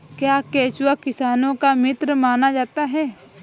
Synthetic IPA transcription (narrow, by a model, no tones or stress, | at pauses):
kjaːkeːt͡ʃʊwakɪsaːnõkamɪt̪ɾəmaːnad͡ʒaːt̪aɦɛː